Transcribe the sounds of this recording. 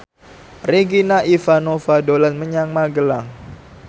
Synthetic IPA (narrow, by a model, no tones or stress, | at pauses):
reɡinaʔifanofadolanməɲaŋmaɡəlaŋ